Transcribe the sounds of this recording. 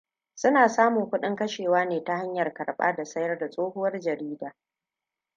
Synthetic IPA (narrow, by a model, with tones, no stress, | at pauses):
sʊ˦naː˨saː˦mʊ˨ŋkʷʊ˦ɗɪ˦ŋkɐ˦ʃeː˨waː˦neː˨ta˦ha˦ɲjɐ˨rkɐ˨ɽɓa̰ː˦da˨sɐ˦jɐ˦rda˨sʼoː˦hʊ˦wɐ˦rd͡ʒɐ˨ɾiː˦daː˨